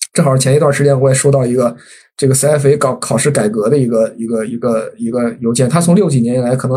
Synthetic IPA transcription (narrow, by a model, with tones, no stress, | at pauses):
ʈ͡ʂɤ˥˩xɑ˨˩ʂɻ̩˥˩t͡ɕʰɛ˥n˥˧t̪wa˥˩ʂɻ̩˧˥t͡ɕjɛ˥nwɔ˧˥jɛ˨˩ʂo˥ʊt̪ɑ˥˩ʊi˧˥ɡə˧ | ʈ͡ʂɤ˥˩ɡə˩sa˥˩fe˧˥ɪkɑ˨˩kʰɑ˨˩ʊʂɻ̩˥˩ka˨˩ɪkɤ˧˥d̪ə˧i˧˥ɡə˧i˧˥ɡə˧i˧˥ɡə˧i˧˥ɡə˧jo˧˥ʊt͡ɕjɛ˥˩nt̪ʰa˥t͡sʰʊ˥ljo˥˩ʊt͡ɕi˨˩njɛ˧˥ni˨˩la˧˥ɪkʰɤ˨˩ɤ˧˥